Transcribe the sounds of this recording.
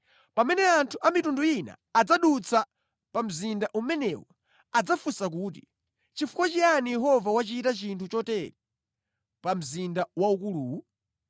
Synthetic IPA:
pamɛnɛantʰuʔamitunduina̰ːd͡zaɗut͡sʰa | pam̩zindaʔumɛnɛwɔ | ad͡zafusak̬uːt̬i | t͡ʃifukwɔt͡ʃianijɛɦɔvawat͡ʃitat͡ʃintʰut͡ʃɔtɛɾɛ | pam̩zindawaukuluː

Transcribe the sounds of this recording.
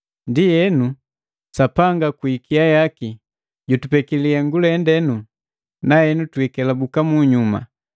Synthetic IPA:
ndijɛnu | sapaŋɡakuikʰiajaki | ɟutupɛkiliaŋɡulɛndɛnu | nahɛnutwikɛlabukamuɲuma̰

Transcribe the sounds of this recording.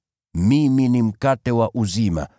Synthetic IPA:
miminim̩katɛwaʔuzima̰

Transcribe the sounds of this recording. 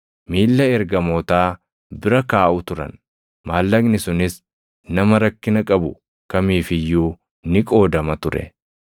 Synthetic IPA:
miːlːɐɛɾɡɐmoːt̪aː | bɪɾɐkaːʔʊt̪ʊɾɐ̰n | maːlːɐɡnɪsʊnɪs | nɐmɐɾɐkːɪnɐkʼɐbʊ | kɐmiːfɪjːuː | nɪkʼo̞ːd̪ɐmɐt̪ʊɾɛ̰

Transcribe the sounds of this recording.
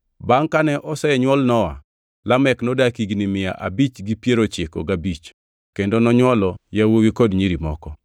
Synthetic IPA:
baŋkanɛʔɔsɛɛɲwɔlnɔwa̰ | lamɛknɔdakiɡnimɪja̰ʔabit͡ʃɡipjeɾot͡ʃɪkɔ̰ɡabit͡ʃ | kendonɔɲwɔlɔjawowikodɲiɾimɔ̰kɔ

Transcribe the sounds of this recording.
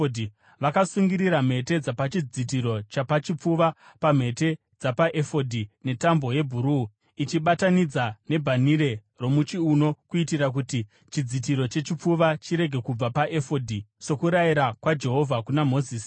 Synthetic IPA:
dʱi | ʋakasuŋɡiɾiɾam̤e̞te̞d͡zapat͡ʃid͡zit̬iɾo̞t͡ʃapat͡ʃip͡fuʋapam̤e̞te̞ | d͡zapaʔefo̞dʱine̞tambo̞je̞bʱuɾu | it͡ʃiɓatanid͡zane̞bʱaniɾe̞ | ro̞mut͡ʃiuno̞kuitiɾak̬uti | t͡ʃid͡zit̬iɾo̞t͡ʃe̞t͡ʃip͡fuʋat͡ʃiɾe̞ɡʱe̞kub͡vapaʔe̞fodʱiso̞kuɾaiɾakwad͡ʒe̞ɦo̞vʱakunamo̞ziːsi̥

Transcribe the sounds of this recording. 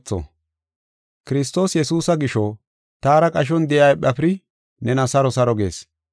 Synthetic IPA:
t͡sːɔ̰ | kɪɾɪs̬t̪o̞ːsjɛsuːsɐɡɪʃɔ | t̪aːɾɐkʼɐʃ̬ɔnd̪ɛjɐjɓɐpɾɪ | nɛnɐsɐɾɔsɐɾɔɡe̞̰ːs

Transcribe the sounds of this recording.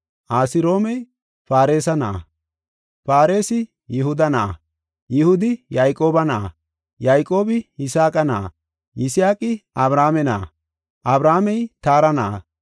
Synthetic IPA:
ʔaːsɪɾo̞ːmɛj | faːɾe̞ːsɐna̰ː | faːɾe̞ːsɪ | jɪhʊd̪ɐnaː | jɪhʊd̪ɪjajkʼo̞ːbɐna̰ː | jajkʼːo̞ːbɪhɪsaːkʼɐna̰ː | jɪsɪjaːkʼɪʔɐbɾaːmɛna̰ː | ʔɐbɾaːmɛjt̪aːɾɐnaː

